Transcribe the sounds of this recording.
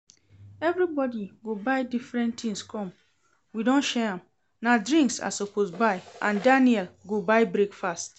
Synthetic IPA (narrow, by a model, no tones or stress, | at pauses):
ɛvɾibɔdiɡobaɪdifɹɛ̃ntʰĩŋskʰɔ̃m | widõnʃɛãm | nadɹĩŋksa̰sopʰosbaɪʔãndaniɛlɡobaɪbɹekfast